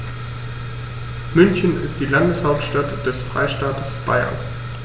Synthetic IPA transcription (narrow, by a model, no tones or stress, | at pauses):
mʏnçənɪ̰std̥iːlandəshaʊp̚tʃtatd̥ɛsfʁ̥a̰ɪʃtaːtʰəsb̥a̰ɪɐ̰n